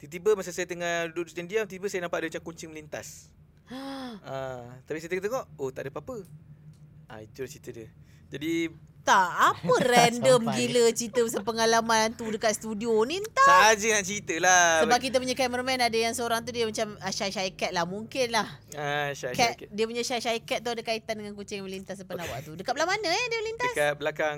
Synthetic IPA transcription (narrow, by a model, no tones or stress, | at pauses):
t̪it̪ibəmasasajət̪əŋaduduʔdut̪andiamt̪it̪ibəsajənampaʔdəmat͡ʃamkuɲt͡ʃɪŋməlint̪a̰s | at̪apisajət̪əŋɔt̪əŋɔʔoht̪a̰ʔdəpaapə | ʔa̰it̪ulaht͡ʃit̪ədə | d͡ʒadit̪aʔapərɛndəmɡilət͡ʃɾit̪əmasapəŋalamãnt̪udəkat̪̚st̪udionint̪aad͡ʒənaʔt͡ʃəɾit̪əlaəbaʔkit̪̬əpuɲakamərmɛnadəjaŋsəoɾaŋt̪̬udiəmat͡ʃaməʃaʃaikɛt̪̚lahmuŋkɪnlahaʃakakdiəpuɲaʃaʃaikɛt̪̚t̪ːuadəkait̪andəŋankut͡ʃɪŋjaməlint̪as̬əpanawaʔt̪udəkat̪ʔ̚lahmanəɛdiəməlint̪asabəlakaŋ